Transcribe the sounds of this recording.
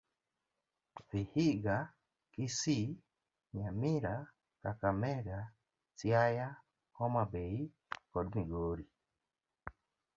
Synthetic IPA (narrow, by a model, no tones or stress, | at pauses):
ðihiɡa | kisi | ɲãmĩɾa | kakameɡa | t͡siaja | homãbei | kodmĩɡoɾi